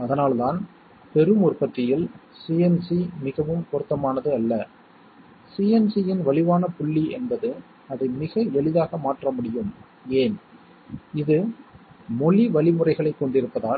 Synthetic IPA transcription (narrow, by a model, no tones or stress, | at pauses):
ɐðɐnaːlðaːn | pɛɾɯmɔrpɐʈːɪjɪlsiːɛnsimɪɣɐʋɯmkɔɾɯt̪ːɐmaːnɐðɯɐlːɐ | siːɛnsijɪnʋɐɭɪʋaːnɐpʊɭːiɛ̰nbɐðɯ | ɐðɐɪmɪɣɐɛɭɪðaːɣɐmaːʈrɐmʊɽɪjɯm | eːn | ɪðɯ | mɔɭiʋɐɭɪmɯrɐɪɣɐɭɐɪkːɔɳɖɪɾɯpːɐðaː